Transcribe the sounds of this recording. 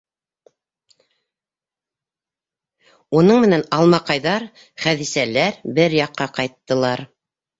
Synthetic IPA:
unɤɴmɘ̆nænɑlˠmɑqɑjðɑɾ | χæðisælæɾbɘɾjɑqːɑqɑjt̪ːɤ̆lˠɑɾ

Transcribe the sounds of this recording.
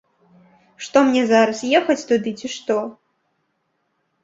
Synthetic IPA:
ʂt̪ɔmnʲɛzaɾɐsjɛxɐt͡sʲt̪ud̪ɨt͡sʲiʂt̪ɔ

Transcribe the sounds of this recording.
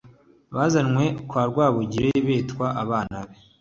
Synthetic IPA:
βaːzanŋwe̞kwaːɾɡwaːβoɟiɾeβeːtkwaʔaβaːnaβe

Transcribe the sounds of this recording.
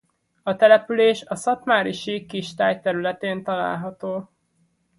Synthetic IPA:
ɒt̪ɛlɛpyleːʃɒsɒt̪maːɾiʃikiʃt̪aːjt̪ɛɾylɛt̪eːnt̪ɒla̰ːlɦɒt̪oː

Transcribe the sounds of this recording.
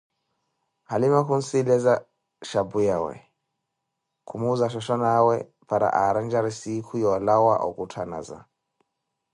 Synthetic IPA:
halimakun̩silɛza | ʃabujawɛ̰ | kumuzaʃ̬ɔʃɔnaːwɛ | paɾa̰ʔaɾand͡ʒaɾisikʰujɔlawaʔɔ̰kutʰana̰za̰

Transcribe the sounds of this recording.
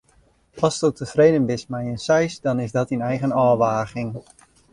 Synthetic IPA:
ɑstotəfreːdənbɪsmɛjənsɛjsdɔnɪzdɔtinɛjχənɔːʋaːɣɪŋ

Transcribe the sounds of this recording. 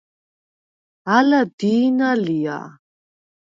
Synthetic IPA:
alad̪iːnalija̰

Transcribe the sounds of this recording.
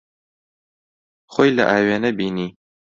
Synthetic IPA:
χʷʊjlɐ̰ʔaːɥenɐbiːniː

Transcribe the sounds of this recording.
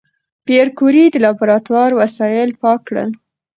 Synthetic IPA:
peɾkuɾid̪əlɑbuɾɑt̪wɑɾwasɑjɪlpɑkɽə̰l

